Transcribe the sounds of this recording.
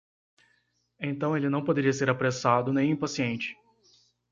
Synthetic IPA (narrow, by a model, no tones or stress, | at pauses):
ẽt̪ɐ̃w̃elɪnɐ̃w̃pod̪eɾiɐseɾapɾesad̪ʊnẽj̃ĩpasiẽnt͡ʃɪ̥